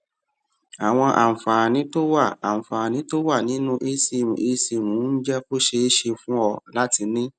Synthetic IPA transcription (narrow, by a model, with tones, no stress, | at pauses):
a˨w̃ɔ̃˧ʔa̰˨fa˨nĩ˨˦to˦wa˦˨a˨m̩˨fa˨nĩ˨˦to˦wa˦˨nĩ˨˦nũ˦ʔe˧˦si˦˨mṵ̃˨ʔe˧si˧˨mũ˨˦n̩˦d͡ʒɛ˦fo˦ʃe˧e˦ʃe˧fũ˦ɔ˧la˦ti˧nĩ˦